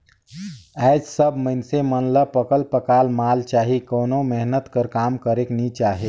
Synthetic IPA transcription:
ɛːd͡ʒsəbməɪnsemənləpəkəlpəkaːlmaːlt͡ʃaːɦikoːnõmɛɦnət̪kəɾkaːmkəɾeknit͡ʃaːɦeː

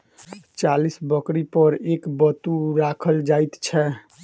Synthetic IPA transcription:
t͡ʃalisbəkɾipəɾekbət̪uɾakʰəld͡ʒajt̪t͡ʃʰɛ

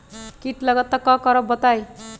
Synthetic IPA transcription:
kiʈlʌɡʌt̪ːʌkːʌkʌɾʌbbʌt̪aj

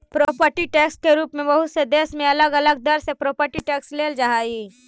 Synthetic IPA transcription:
pɾɔːpəɾʈiʈeːkskeɾuːpmẽbɐɦʊt̪sed̪eːsmẽɐləɡɐləɡ̚d̪ɐɾsepɾɔːpəɾʈiʈɛːksleːld͡ʒaɦaːiː

